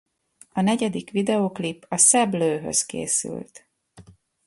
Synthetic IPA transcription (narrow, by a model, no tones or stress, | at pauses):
ɒnɛɟɛd̪ikʋid̪ɛoːklipːɒsɛbløːɦø̰skḛːsy̰lt̪